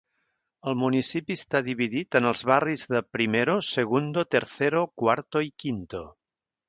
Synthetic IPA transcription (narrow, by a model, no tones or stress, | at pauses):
əlˠmunisipist̪aðiβ̞iðit̪ənəlˠzβarizðəpɾimeɾosəɣ̞und̪ot̪əɾθeɾokwaɾt̪oikint̪o